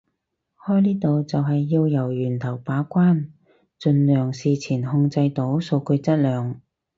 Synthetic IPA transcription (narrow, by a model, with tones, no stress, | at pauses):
hɔː˥jliː˥t̪o˨wt͡sɐ˨wɦɐ˨jːiː˧wjɐ˨˩wjyː˨˩nt̪ʰɐ˨˩wpaː˨˥kʷaː˥n | t͡ʃɵ˧nlœː˨˩ŋsiː˨t͡sʰiː˨˩nhʊ˧ŋt͡sɐ˧jt̪o˨˥wso˧wkɵ˧t͡sɐ˥t̚lœː˨ŋ